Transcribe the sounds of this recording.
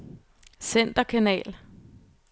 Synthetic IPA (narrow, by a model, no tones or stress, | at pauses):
sen̰d̥ɐkʰænɛ̰ːl